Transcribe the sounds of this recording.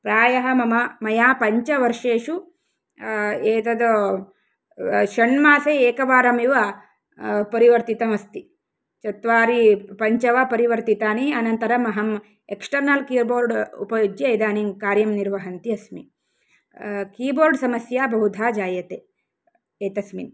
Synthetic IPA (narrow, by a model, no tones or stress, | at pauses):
pɾaːjɐɦɐ̆mɐmɐmɐjaːpɐɲt͡ʃɐʋɐɾʂeːʃu | eːt̪ɐd̪o | ʃɐɳmaːsɐeːkɐʋaːɾɐmiʋɐ | pɐɾiʋɐɾt̪it̪ɐmɐst̪i | t͡ʃɐt̪ʋaːɾipɐɲt͡ʃɐʋapɐɾiʋɐɾt̪it̪aːniɐnɐnt̪ɐɾɐmɐɦɐm | eksʈɐɾnɐlkiːboːɾɖṵpɐjuɡjɐid̪aːniŋkaːɾjɐmniɾʋɐɦɐnt̪iɐsmḭ | kiːboːɾɖsɐmɐsjaːbʱɐɦud̪ʱaːd͡ʒaːjɐt̪eː | eːt̪ɐsmin